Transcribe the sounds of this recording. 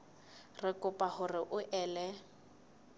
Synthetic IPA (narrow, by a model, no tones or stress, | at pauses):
rɪkʼʊpʼahʊrɪʔʊʔɛːlɛ